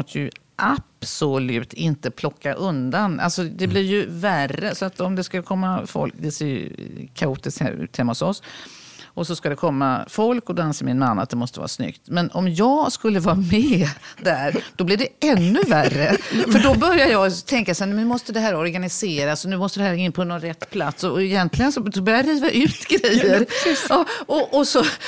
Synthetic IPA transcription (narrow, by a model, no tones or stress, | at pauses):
ɔst̪əjɵ | ʔapsɔlʉ̟ːt̪ʰɪnt̪əpʰlɔkːaʔɵnd̪anʔa̰lsɔd̪ɛblɪɾjɵværːəsɔat̪ɔmd̪ɛskakʰɔmːafɔ̰lkd̪ɛseːɾj̰kʰauːt̪ɪskhɛ̰ɾʉ̰ːt̪hɛmahʊsɔs | ʔɔsɔskad̪ɛkʰɔmːa̰fɔlkɔd̪oanseːɾmɪnmanːa̰t̪̚d̪ɛmɔst̪əvɑ̰ːɾasnʏ̰kt̪mɛnɔmjɑːɡskɵlːəvɑːɾamɛːd̪æɾd̪̥ɔblɪɖɛɛnːɵværːəfœɖɔbœɾjadəjɑːɡt̪ʰɛŋkasɛnnnʉ̟mɔst̪əd̪ɛɦæːɾɔɾɡanɪseːɾasɔnʉ̟ːmɔst̪əd̪ɛhæːɾɪnːpʰɔnːɔnɾɛt̪ːpʰlat̪sɔɛjɛnt̪lɪɡənsɔsɔbœɾjaaɾiːvaʔʉ̟ːt̪ɡɾɛjːəɾɑɔʔɔsɔ